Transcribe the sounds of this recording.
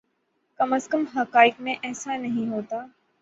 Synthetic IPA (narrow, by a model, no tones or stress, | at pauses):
kɐməskəmɦɐkaːɪkmẽʔɛːsanɐɦĩɦoːt̪aː